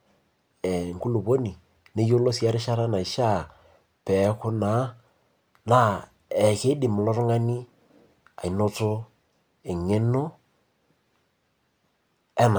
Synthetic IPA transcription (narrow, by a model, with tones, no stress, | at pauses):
ɛ˨ŋ̩˨kʊ˦lʊ˨bo˦ni˨ | ne˦jo˦lo˦si˨a˦ɾɪ˦ʃa˦ɾa˦na˨i˨ʃa˦˨ | pɛ˨˦kʊ˦na˨˦ | na˦ | ɛ˨ke˦dɪ˨mʊ˨lɔ˦ɾŋa˦ni˦ | a˨i˨no˦t͡sʊ˦ | ɪ˨ŋe˦no˦ | ɛ˦na˨